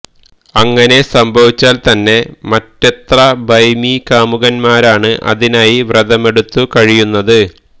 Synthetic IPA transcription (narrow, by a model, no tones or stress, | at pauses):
ɐŋːɐne̞sɐmbʱɐʋit͡ɕːaːlt̪ɐnːe̞mɐtːet̪rɐbɐjmikaːmuɣɐnmaːɾaːɳɨʔɐ̰ðinaːjiʋreðɐme̞ɽut̪ːukɐɻijunːɐðɨ